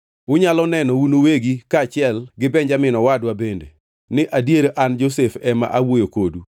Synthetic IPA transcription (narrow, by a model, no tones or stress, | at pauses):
ʊɲalɔnɛnɔunoweɡikaːt͡ʃɪɛlɡɪbɛɲd͡ʒamɪnɔwadwabendḛ | nɪʔadjeɾoʔand͡ʒos̬efɛma̰ʔawojokodu